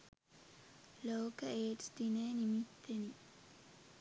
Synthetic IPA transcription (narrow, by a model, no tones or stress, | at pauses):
loːkɐeːʈ̪d̪ineːnimit̪ːeni